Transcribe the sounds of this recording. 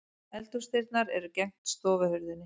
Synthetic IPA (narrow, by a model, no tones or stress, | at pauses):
ɛlt̪uɾst̪ɪɾt̪naɾɛɾʏcɛŋ̥t̪st̪ɔːvɪhʏɾðɪnːɪ